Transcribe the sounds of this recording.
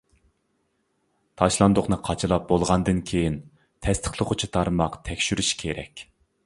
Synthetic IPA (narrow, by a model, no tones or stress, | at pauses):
t̪ʰɑʃlˠɑnd̪ʊχnɨqʰɑt͡ʃʰɨlˠɑp̚bolˠʁɑnd̪ɨnkʲʰejin | t̪ʰɛst̪ʰɪ̥χlˠəqʰʊt͡ʃʰit̪ʰɑɾmɑqt̪ʰɛkʲʃyɾyʃkʲʰeɾɛ̰kʲ